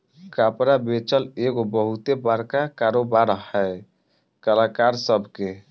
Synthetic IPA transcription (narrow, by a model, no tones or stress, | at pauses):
kapɾabet͡ʃəleɡobəɦut̪ebaɾkakaɾobaɾɦɛj | kəlakaɾsəbʱke